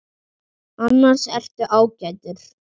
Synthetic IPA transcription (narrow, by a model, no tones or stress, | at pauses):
anːaɾ̥sɛr̥t̪ʏʔaːwcajt̪ʏɾ̥